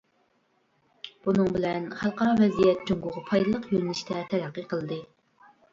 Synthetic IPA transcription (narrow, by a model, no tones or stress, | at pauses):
b̥unɨŋbɪlɛnχælˠqɑɾɑvɛzijɛt̪̚t͡ʃoŋɡʊʁɑpʰɑjd̪ɨlˠəqjølnɪʃt̪ʰɛt̪ʰɛɾæqːəqəlˠɨd̪ɨ